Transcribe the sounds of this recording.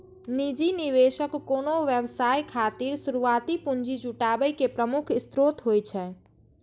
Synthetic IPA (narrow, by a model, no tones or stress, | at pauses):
nid͡ʒiniβesəkːonoʋjəbsajkʰat̪iɾsuɾuat̪ipuɲd͡ʒid͡ʒuʈabəjkepɾəmukʰist̪ɾot̪ɦojt͡ʃʰɛ